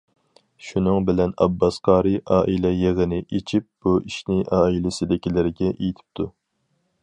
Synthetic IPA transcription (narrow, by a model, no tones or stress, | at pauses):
ʃunɨŋbɪlɛnɑ̰bːɑsqʰɑːɾɨʔɑːʔilɛjeʁənɪʔet͡ʃʰip̚b̥uiʃnɪʔɑːilɪsɪd̪ɪkʲilɪɾɡʲɛʔejit̪ʰɪ̥p̚t̪ʰu